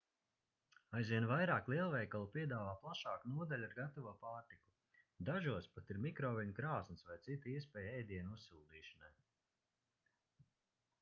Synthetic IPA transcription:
ajzvʲiɛnvajɾaːklˠiɛlˠvɛjkalˠupʲiɛd̪aːvaːplˠaʃɑːkunuɔd̪alʲaɾɡat̪ɔvuɔpaːɾt̪iku̥ | d̪aʒuɔspat̪iɾmikɾɔːvʲiɲkɾaːsnɨsvajt̪sit̪iɛspɛːjɛjd̪iɛnusːuːd̪iːʃanaj

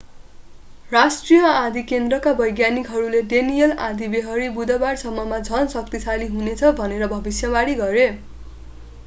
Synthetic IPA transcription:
rasʈrijʌãd̪ʱikend̪rʌkabʌjɡjanikɦʌɾuleɖenijʌlãd̪ʱibeɦʌɾibud̪ʌbarsʌmːʌmad͡zʱʌnsʌk̚t̪isʰaliɦunet͡sʰʌbʱʌneɾʌbʱʌbisjʌbaɽiɡʌɾe

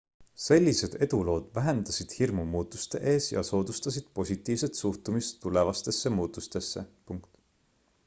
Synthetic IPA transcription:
se̞lʲːise̞d̪̥e̞d̪ulo̞ːd̪̥væɦe̞nd̪̥ɑsid̪̥hirmumuːt̪ːˑust̪e̞ʔe̞ːsjɑ̰so̞ːd̪̥ust̪ɑsid̪̥̚po̞sʲit̪ːˑiːvse̞t̪suht̪umist̪ːule̞vɑst̪e̞sːe̞muːt̪ːˑust̪e̞sːe̞puŋkt̪

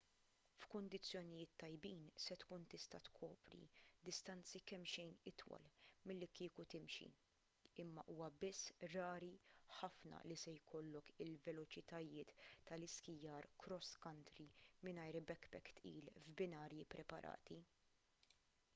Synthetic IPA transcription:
fkʊnd̪ɪt͡sːjɔnɪjɪːt̪ːɐjbiːnsɛt̪kuːnt̪ɪst̪ɐt̪kʰɔːpɾḭd̪ɪst̪ɐnt͡sikɛmʃɛjnɪt̪wɐ̰lmɪlːikɪːkut̪ɪmʃḭ | ɪmːɐʔuːwɐbɪsːɾɐːɾiħɐfnɐ̰lisɛjkʰɔlːɔkɪlvɛlɔt͡ʃɪt̪ɐjɪːt̪ːɐlɪskɪjɐːɾkɾɔskɐnt̪ɾimɪnɐjɾbɛkːbɛkːt̪ʔḭːlvbɪnɐːɾjipɾɛpɐ̰ɾʔɐ̰ːt̪i

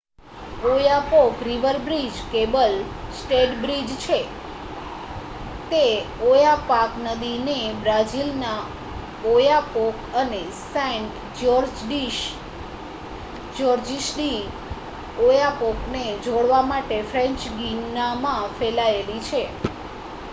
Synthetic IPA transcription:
ojapokɾiʋəɾbɾid͡ʒkebəlsʈeʈbɾid͡ʒt͡ʃʰe | t̪eojapaknəd̪inebɾad͡ʒilna | ojapokəne | sɛ̃ɳʈ | d͡ʒɔɾd͡ʒɖiʃ | d͡ʒɔɾd͡ʒiʃɖi | ojapokned͡ʒʱoɽʋamaʈefɾẽɲt͡ʃɡinamãfɛlaelit͡ʃʰe

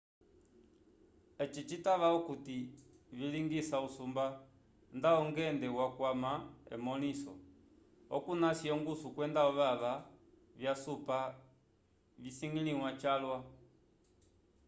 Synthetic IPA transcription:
ɛt͡ʃit͡ʃitaʋaukutiviliŋɡisausumba | ndaɔŋɡɛndɛwakwamaɛ̰mɔlisɔ̰ | ɔkunasiɔŋɡusukwɛndaɔʋaβa | vjasupa | visiŋɡiliwat͡ʃalwa

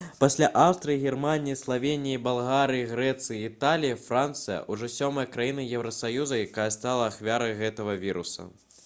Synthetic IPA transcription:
pasʲlʲaʔawst̪ɾɨjiɣʲɛrmanʲijislˠavʲenʲijibalˠɣaɾɨjiɣɾɛt̪sɨjiːt̪alʲijifɾant̪sɨjɐ̰ʔuʐɔsʲɔmɐjɐkɾajinɨjɛwɾɐsajuzɐjakajɐst̪alˠɐːxvʲaɾɐjɣɛt̪ɐɣɐvʲiɾṵsɐ̰

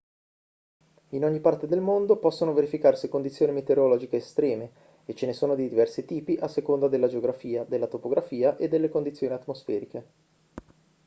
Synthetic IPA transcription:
inoɲːipart̪ed̪elmond̪opɔsːonoveɾifikarsikond̪it̪sjoːnimet̪eɾolɔd͡ʒikeːst̪ɾɛːme | et͡ʃenesoːnod̪id̪ivɛrsit̪iːpiʔasːekond̪ad̪elːad͡ʒeoɡɾafiːad̪elːat̪opoɡɾʔafiːaʔed̪ːelːekond̪it̪sːjoːniat̪ːmosfɛːɾike

